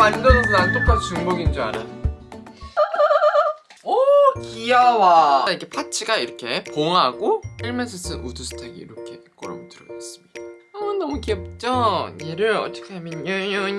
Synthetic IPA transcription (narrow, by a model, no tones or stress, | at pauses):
wand͡ʑʌnʌs̬ʰʌnanɯt͈ok͈asʰot͡ɕuŋbʌɡind͡ʑiaɾa | ʌkiawaikʰepʰat͡ɕʰiɡaiɾʌkʰe̞poŋaɡoiɭmesʰɯs͈ʰɯʔudusʰɯ̥tʰaɡḭḭɾʌkʰek͈ʌɾa̰ɡotɯɾʌas͈ɯ̥mɲid̥aʌnʌmukiʌp̚t͡ɕ͈ʌniɾɯɾʌt͈ʌ̥kʰeamʌnjɯɲɯɲ